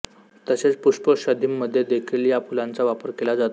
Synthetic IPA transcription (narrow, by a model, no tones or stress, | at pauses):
t̪əset͡spuʂpəɕəd̪ʱimːəd̪ʱːjed̪ekʰiljapulãnt͡saʋapəɾkelad͡zat̪